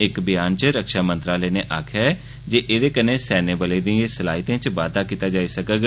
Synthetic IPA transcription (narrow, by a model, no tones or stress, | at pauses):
ɪkbɪjaːnt͡ʃəɾəkʃaːmə̃nt̪ɾaːləːneːʔaːkʰɛː | d͡ʒeːʔeːd̪eːkəneːsɛːnẽːbəleːd̪ĩːeːsəlaːɦit̪ẽːt͡ʃʋaːd̪aːkiːt̪aːd͡ʒaːiːsəkəɡ